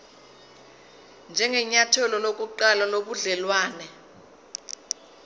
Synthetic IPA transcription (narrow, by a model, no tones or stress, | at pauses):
nd͡ʒʱɛŋɛɲatʰɔlɔlokʼuǃalaloɓuɮɛlwaːnɛ